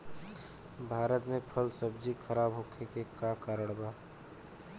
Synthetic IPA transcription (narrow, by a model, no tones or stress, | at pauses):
bʱaːɾət̪mẽpʰəlsəbd͡ʒikʰəɾaːbɦokʰekekakaɾəɽ̃baː